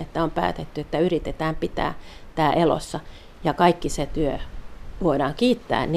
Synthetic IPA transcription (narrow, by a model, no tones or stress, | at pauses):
et̪ːæompæ̰ːt̪et̪ːyet̪ːæyrit̪et̪æːmpit̪æ̰ːt̪æːʔelo̰sːɑ | jɑkɑikːiset̪yøʋoidɑːŋkiːt̪ːæ̰ːnn